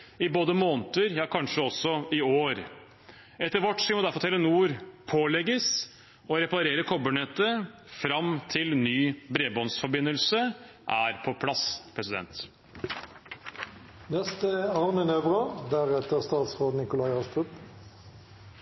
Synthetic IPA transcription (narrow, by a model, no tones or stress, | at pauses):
ɪboːd̪əmoːnt̪əɾjɑːkʰɑnʂəɔsɔɪoːɾ | ɛt̪ːəɾʋɔʈsɪmɔd̪æɾfɔt̪ʰɛlːənuːɾpʰoːlɛɡəs | ɔɾɛpɑɾeːɾəkʰɔbəɳɛt̪ə | fɾɑmt̪ʰɪlnyːbɾeːbɔnsfɔɾbɪnːəlsə | ʔæːɾpʰɔpʰlɑspʰɾɛsɪd̪ɛ̰nt̪ | nɛst̪əɑːʁnənøːʋʁəd̪æʁɛt̪əʁst̪ɑːt̪sʁoːd̪nɪkʊlɑɪɑst̪ʁʉp